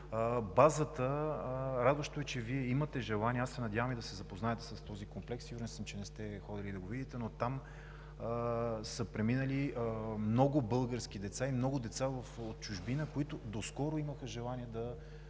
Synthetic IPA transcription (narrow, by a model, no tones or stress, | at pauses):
bazət̪ə | ɾad̪vəʃt̪oɛt͡ʃɛviɛimət̪ɛʒɛlˠaniɛasɛnɐd̪ʲjavəmid̪ɐsɛzɐpoznaɛt̪ɛ̥sɐst̪ɔzikomplɛksiɡoɾnsəmt͡ʃɛnɛst̪ɛxɔd̪ɛlid̪ɐɡovid̪it̪ɛnot̪am | səpɾɛminəlimnɔɡʊbɤlˠɡəɾsk̟id̪ɛt̪saimnɔɡʊd̪ɛt̪savɐfot̪̚t͡ʃʊʒbinəkoit̪ʊd̪oskɔɾoiməxəʒɛlˠaniɛd̪ɐ